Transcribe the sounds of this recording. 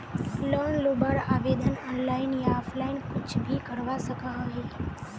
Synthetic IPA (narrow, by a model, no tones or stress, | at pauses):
lonlobəɾaʋed̪ənɔnlainjaɔfʰlainkʊt͡ʃʰbʱikəɾʋaʃəkaɦəɦe